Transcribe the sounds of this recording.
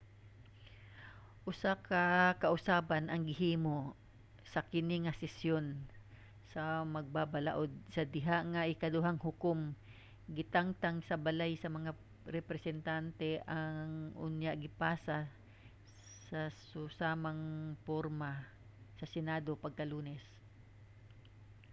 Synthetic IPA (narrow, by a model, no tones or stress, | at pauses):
ʔʊsakɐkɐʔʊsaːbanʔɐŋɡɪɦiːmo | sɐkɪnɪŋɐsɪsjon | sɐmɐɡ̚babala̰ʔod̪̚sɐd̪ɪɦaʔŋaʔɪkɐd̪ʊɦaŋhʊkom | ɡɪt̪aŋt̪aŋsɐbɐlajsɐmɐŋa | ɾɛpɾɛsɛnt̪ant̪ɛʔaŋʔʊ̰njaʔɡɪpaːsa | sɐsʊsaːmaŋpoɾma | sɐsɛnaːd̪opɐɡ̚kɐluːnɛs